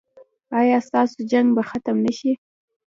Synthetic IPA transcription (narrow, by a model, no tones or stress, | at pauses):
ɑjɑst̪ɑsod͡ʒaŋɡbaxat̪əmnəʃi